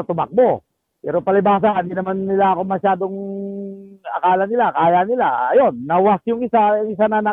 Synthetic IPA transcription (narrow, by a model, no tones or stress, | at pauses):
at̪ʊma̰k̚mo | pɛːɾopɐlɪbaːs̬aind̪inɐmanːɪlaɐkomɐʃaːd̪oŋ | ɐ̰kaːlanɪlakaːjanɪlaɐjonːɐwasjʊŋɪsajŋɪsanana